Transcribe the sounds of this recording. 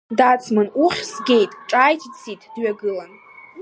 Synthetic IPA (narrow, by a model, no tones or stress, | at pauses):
dat͡sʰmɨnuχʲsɡʲe̞jtʼʈ͡ʂʼajtʰit͡sʰitʼʰdɥaɡɨlan